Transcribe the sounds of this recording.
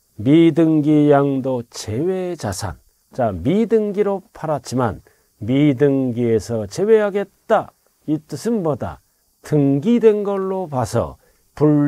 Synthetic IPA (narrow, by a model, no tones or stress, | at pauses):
midɯŋɡijaŋdot͡ɕe̞we̞t͡ɕasʰa̰n | t͡ɕamidɯŋɡiɾopʰaɾat͡ɕ͈ima̰n | midɯŋɡiesʰʌt͡ɕe̞we̞ɦaɡe̞t̚t͈a | it͈ɯsʰɯnmʌda̰ | tɯŋɡidwe̞nɡʌɭːopasʰʌ̰ | puɭ